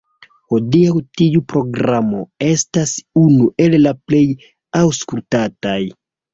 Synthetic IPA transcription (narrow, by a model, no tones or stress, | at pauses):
ho̞diawtiupɾo̞ɡɾamo̞̰e̞stasunuʔe̞llaple̞j | awskultataj